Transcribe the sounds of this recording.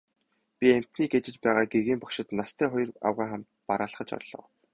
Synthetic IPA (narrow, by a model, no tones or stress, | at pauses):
pʲiem̥t̪niːɡet͡ɕɪ̆t͡ɕpæːʁaːɡeɣiːmpɔkʃɪ̆t̪nast̪ʰæːχʊj̆ra̰wʁaːχam̥t̪paɾaːɮχə̆t͡ɕɔ̰ɮ̥ɔ̰ː